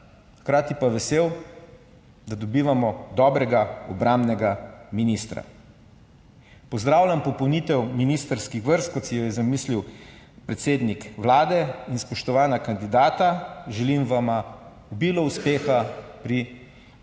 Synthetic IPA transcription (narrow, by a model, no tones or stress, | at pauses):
xkɾaːt̪ipaʋɛseːw | d̪ad̪ɔbiːʋamɔd̪ɔːbɾɛɡaɔbɾambnɛɡaminist̪ɾa̰ | pɔzd̪ɾaːwlʲampɔpɔwnit̪ɛwminiːst̪əɾskixʋəɾst̪kɔt̪sijɔjɛzamiːsliw | pɾɛt̪seːd̪nikʋlaːd̪ɛinspɔʃt̪ɔʋaːnakand̪id̪aːt̪aʒɛlimʋama | ubilɔuspeːxapɾi